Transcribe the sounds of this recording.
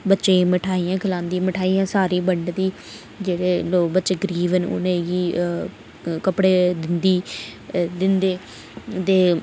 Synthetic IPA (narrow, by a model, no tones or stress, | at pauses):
bətːʃẽːməʈʰaːijãːkʰəlãːnd̪iməʈʰaːiːjãːsaːɾiːbəɳɖd̪iː | d͡ʒeːɽeːloːkbətːʃeːɡɾiːʋənʊ̰nẽːɡiː | kəpɽeːd̪ɪnd̪iː | d̪ɪnd̪eː | t̪eː